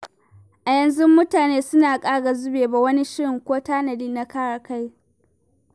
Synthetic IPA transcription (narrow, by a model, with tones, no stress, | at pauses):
ʔa˨jɐ˨nzʊ˦mːʊ˦taː˨neː˦sʊ˦naː˨kʼaː˦ɡa˨zʊ˦beː˨ba˨wɐ˦ni˦ʃɪ˦ɽɪ˨ŋkʷoː˦taː˦nɐ˨diː˦nːa˦kaː˦ɽaː˨ka˦j